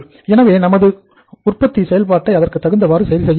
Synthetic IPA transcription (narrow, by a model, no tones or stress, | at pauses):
ɛnɐʋeːnɐmɐðɯ | ʊrpɐt̪ːisɛjɐlpaːʈːɐɪɐðɐrkɯt̪ːɐɣɯnd̪ɐʋaːɾɯsɛjɐlsɛjː